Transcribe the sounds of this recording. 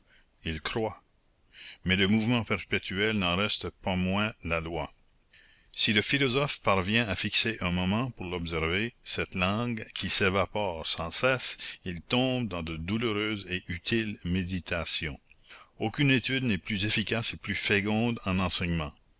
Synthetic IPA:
ilkrwa | mɛləmuvmɑ̃pɛʁpet̪ʰyɛlnɑ̃ʁɛst̪əpamwɛ̃lalwa | siləfilɔzɔfpaʁvjɛ̃afikseʔɛ̃mɔmɑ̃puʁlɔbs̬ɛʁvesɛt̪lɑ̃ɡkʰʲisevapɔːʁsɑ̃sɛsilt̪ɔ̃ːb̚d̪ɑ̃d̪əd̪uløʁøːzeʔyt̪ʰilmed̪it̪ʰasjɔ̰̃okʲynet̪yd̪nɛplyzefikaseplyfeɡɔ̃d̪ɑ̃nɑ̃sɛɲmɑ̃

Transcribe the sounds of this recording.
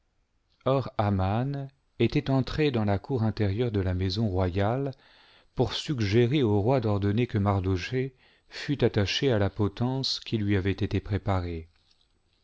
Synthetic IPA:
ɔʁaman | et̪ɛt̪ɑ̃t̪χed̪ɑ̃lakuʁɛ̃t̪ɛʁjœʁd̪əlamezɔ̃ʁwajal | puʁsyɡʒeʁeoʁwad̪ɔʁd̪ɔnekəmaʁd̪oʃe | fyt̪at̪aʃealapɔt̪ɑ̃skʲilɥiavɛt̪et̪epχepaʁe

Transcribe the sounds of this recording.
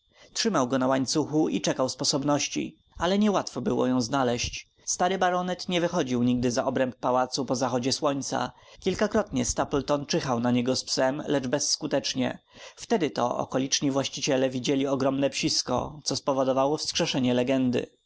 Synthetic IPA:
tʂɘmawɡɔnawaɲt̪suxuḭt͡ʂɛkawspɔsɔbnɔɕt͡ɕḭ | alɛɲɛwat̪fɔbɘwɔ̰jɔ̃w̃znalɛɕt͡ɕ | st̪aɾɘbaɾɔnɛt̪ɲɛvɘxɔd͡ʑiwɲiɡ̚d̪ɘzaʔɔbɾɛmp̚ːawat̪supɔzaxɔd͡ʑɛswɔɲt̪sa̰kʲilkakɾɔt̪ɲɛst̪aplt̪ɔnt͡ʂɘxawnaɲɛɡɔspsɛmlɛd͡ʐbɛsːkut̪ɛt͡ʂɲɛ̰ | ft̪ɛd̪ɘt̪ɔ̰ɔ̰kɔlʲit͡ʂɲivwaɕt͡ɕit͡ɕɛlɛvʲid͡ʑelʲiɔɡɾɔmnɛpɕiskɔ̰t̪sɔspɔvɔd̪ɔvawɔfskʂɛʂɛɲɛlɛɡɛnd̪ɘ̰

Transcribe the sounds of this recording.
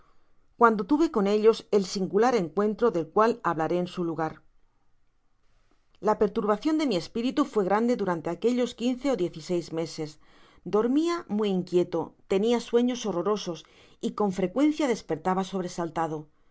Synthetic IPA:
kwand̪o̞t̪uβe̞ko̞ne̞ʎo̞se̞lsiŋɡulaɾe̞ŋkwe̞nt̪ɾo̞ðe̞lkwalaβlaɾe̞ːnsuluɣ̞aɾ | lape̞ɾt̪uɾβaθjo̞nd̪e̞mie̞spiɾit̪ufwe̞ɣ̞ɾand̪e̞ðuɾant̪e̞ake̞ʎo̞skinθe̞oðjeθise̞jzme̞se̞s | d̪o̞ɾmiamwuiiŋkje̞t̪o̞t̪e̞niaswe̞ɲo̞so̞ro̞ɾo̞so̞s | iko̞ɱfɾe̞kwe̞nθjaðe̞spe̞ɾt̪aβ̞aso̞β̞ɾe̞salt̪að̞o̞

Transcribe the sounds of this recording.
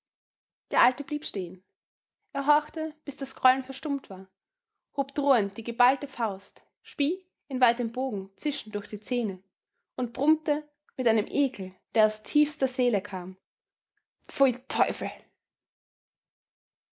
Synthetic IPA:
d̥eːɐʔaltəb̥liːpʃteːən | ʔeːɐɦɔɐçtəb̥ɪsd̥asɡ̥ʁ̥ɔlənfɛɐʃtʊmtv̥aːɐ | hoːpd̥ʁoːənt̚d̥iːɡəbaltəfaʊst | ʃpiː | ɪnvaɪtəmboːɡŋ̩t͡sɪʃn̩dʊɐçd̥iːt͡seːnə | ʔʊntb̥ʁʊmtə | mɪtʔaɪnəmʔeːkʰl̩d̥eːɐaʊstʰiːfstɐɐzeːləkʰaːm | fotʰɔʏfl̩

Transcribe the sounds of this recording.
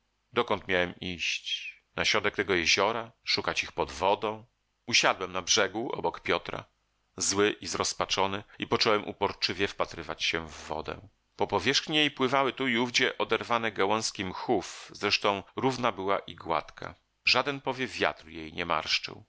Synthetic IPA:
d̪ɔkɔnt̪mʲjawɛmiɕt͡ɕ | naɕɾɔd̪ɛk̚t̪ɛɡɔjɛʑɔɾaʂukat͡ɕixpɔd̪vɔd̪ɔ̃w̃ | uɕad̪wɛmnabʐɛɡuʔɔ̰bɔkpʲjɔt̪ɾa̰ | zwɘʔizɾɔspat͡ʂɔnɘipɔt͡ʂɔwɛmʔṵpɔɾt͡ʂɘvʲjɛfpat̪ɾɘvat͡ɕɕɛ̃vːɔ̰d̪ɛ̰̃ | pɔpɔvʲjɛʂxɲijejpwɘvawɘt̪uiuvd͡ʑɛʔɔd̪ɛɾvanɛɡawɔ̃w̃skʲimxufzɾɛʂt̪ɔ̃w̃ɾuvnabɘwaʔiɡwa̰t̪kʰa̰ | ʐad̪ɛnpɔvʲjɛvʲja̰t̪rjejɲɛma̰ɾʂt͡ʂɘ̰w

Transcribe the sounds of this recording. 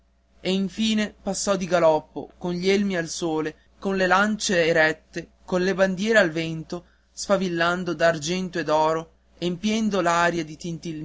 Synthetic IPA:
eiɱfiːnepasːɔd̪iɡalɔpːo̰konʎielmialsoːle | konlelant͡ʃeːɾɛt̪ːekonleband̪jɛːɾealvɛnt̪o | sfavilːand̪od̪aːrd͡ʒɛnt̪oed̪ɔːɾo | empjɛnd̪olaːɾjad̪it̪int̪il

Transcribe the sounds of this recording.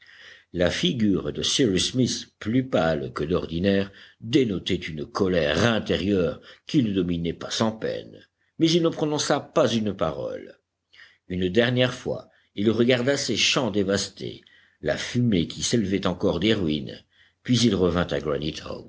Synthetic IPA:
lafiɡʲyʁd̪əsiʁismisplypalkəd̪ɔʁd̪inɛʁd̪enɔt̪ɛt̪ynkʰɔlɛʁɛ̃t̪eʁjœʁkinəd̪ɔminɛpasɑ̃pɛ̰n | mɛzilnəpχɔnɔ̃sapazynpaʁɔ̰l | ynd̪ɛʁnjɛʁfwa̰ | ilʁəɡaʁd̪aseʃɑ̃d̪evast̪ʰḛ | la̰fymekʲiseləvɛt̪ɑ̃kɔʁd̪eʁɥin | pɥizilʁəvɛ̃t̪aɡɹanit̪o̰m

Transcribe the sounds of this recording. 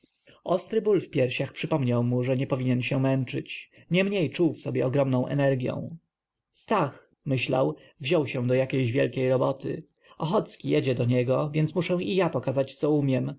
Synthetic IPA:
ɔst̪ɾɘbulfpʲjɛɾɕaxpʂɘpɔmɲawmuʐɛɲɛpɔvʲiɲɛnɕɛmɛnt͡ʂɘt͡ɕ | ɲɛmɲejt͡ʂuwfsɔbʲjɛ̰ɔɡɾɔmnɔ̃w̃ʔɛ̰nɛɾɡʲjɔ̰̃w̃ | st̪ax | mɘɕla̰w | vʑɔwɕɛ̃d̪ɔjakʲejʑvʲjɛ̰lkʲejɾɔbɔt̪ʰɘ̰ | ɔxɔt̪skʲijɛd͡ʑɛd̪ɔɲɛɡɔvʲjɛntsmuʂɛ̃w̃ijapɔkazat͡ɕt̪sɔumʲjɛm

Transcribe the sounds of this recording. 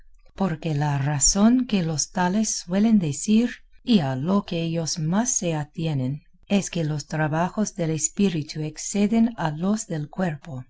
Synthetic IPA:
po̞ɾke̞laraso̞nke̞lo̞st̪ale̞sːwe̞le̞nd̪esiɾialokeeʎosmasːe̞at̪je̞nen | eske̞lost̪ɾaβaxosðe̞lespiɾit̪ʰuekse̞ðenalo̞sðe̞lkwe̞ɾpo

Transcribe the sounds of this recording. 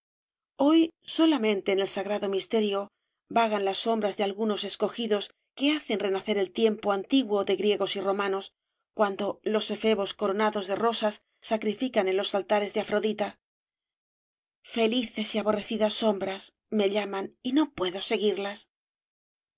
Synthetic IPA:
o̞jso̞lamẽ̞nt̪e̞ːne̞lsaɣɾaðo̞mist̪e̞ɾjo̞ | baɣ̞anlasːo̞mbɾazðe̞alɣuno̞se̞sko̞xiðo̞s | ke̞aθe̞nre̞naθe̞ɾe̞lt̪je̞mpo̞ant̪iɣwo̞ðe̞ɣɾje̞ɣo̞siro̞mãno̞s | kwand̪o̞lo̞se̞fe̞βo̞sko̞ɾo̞naðozðe̞ro̞sasː | akɾifikane̞nlo̞salt̪aɾe̞zðeafɾo̞ðit̪a | fe̞liθe̞siaβo̞re̞θiðasːo̞mbɾas | me̞ʎamanino̞pwe̞ðo̞se̞ɣiɾlas

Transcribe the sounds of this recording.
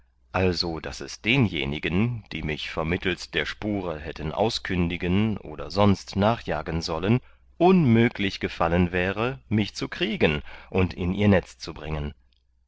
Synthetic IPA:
ʔalzod̥a̰sɛsd̥eːnjḛːnɪɡənd̥iːmɪçfɛɐmɪtl̩td̥eːɐʃpuːʁəɦɛtənʔa̰ʊskʰʏndɪɡənʔo̰ːdɐzɔnstnaːχjaːɡənzɔlən | ʔʊnmøːklɪçɡ̥əfalənvɛːʁəmɪçt͡sukʁ̥iːɡənʔʊntɪniːɐnɛt͡st͡subʁɪŋən

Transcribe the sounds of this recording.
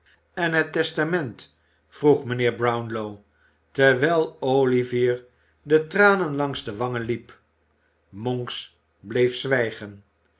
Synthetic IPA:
ɛnɦətɛstamɛnt | fruχmənɪːɹbrawnlow | tɛɹʋɛjlˠowliviːɹ | dətraːnənlɑŋzdəʋɑŋənlip | mɔŋks | blejfsʋɛjχən

